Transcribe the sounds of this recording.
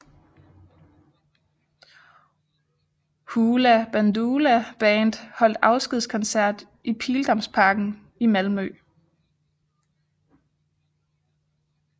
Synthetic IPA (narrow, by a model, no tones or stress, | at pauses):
huːlæb̥ænd̥uːlæb̥ɛːnd̥hɒ̽l̰d̥ɑ̈ʊsɡ̥ið̰ˠskʰɒ̽nsæɐ̰d̥ | ʔipʰiːld̥ɒ̽mspʰɑ̈ːɡ̥n̩ | imælmø